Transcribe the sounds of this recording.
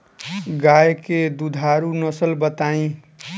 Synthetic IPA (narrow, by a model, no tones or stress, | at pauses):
ɡajked̪ud̪ʱaɾunʌsəlbət̪aĩ